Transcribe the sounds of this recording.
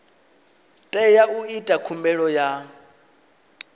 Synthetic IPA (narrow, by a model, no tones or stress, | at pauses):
tʼɛjauitʼakʰumbɛɺɔja